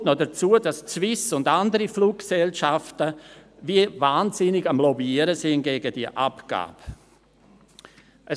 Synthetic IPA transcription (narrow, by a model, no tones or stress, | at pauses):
tnodət͡suːəd̥ast͡svɪsʊndandəɾifluːkkːsɛlʃaftəviəvaːnzɪnɪɡamlɔbiiəɾəsɪnɡeːɡədiəʔa̰pɡ̥a̰ːb̥ | ʔə